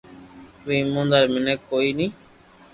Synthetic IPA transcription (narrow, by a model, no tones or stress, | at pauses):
ʋĩːmũːnd̪əɾmɪneːkːoːiːnĩː